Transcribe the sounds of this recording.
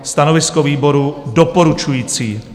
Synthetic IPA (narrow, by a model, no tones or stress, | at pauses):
st̪anovɪskoviːbo̞ɾudopoɾut͡ʃujiːt͡siː